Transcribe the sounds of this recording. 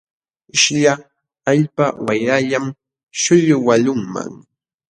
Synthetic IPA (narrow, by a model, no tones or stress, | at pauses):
ɪʃʎa | aʎpawajɾaʎam | ʃʊʎʊwaʎʊŋma̰ŋ